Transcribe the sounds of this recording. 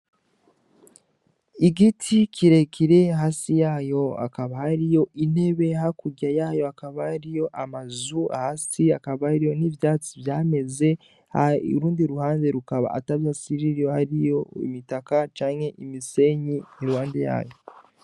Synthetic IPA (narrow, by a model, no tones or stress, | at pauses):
iɡitʰiciɾe̞kʰiɾe̞ɦaːsijaːjo̞a̰kaβahaɾijo̞ʔine̞βe̞hakuɟajaːjo̞akaβaɾijo̞ʔamazua̰hasiakaβaɾijo̞nivjaːt͡sivjaːme̞ze̞ | haṵɾuːndiɾuhaːnde̞ɾukaβa̰a̰taβjaːsiɾiɾjohaɾijo̞ḭmitakat͡ʃaːɲhe̞ʔimise̞ɲiniɾuhaːndeja̰ːjo̞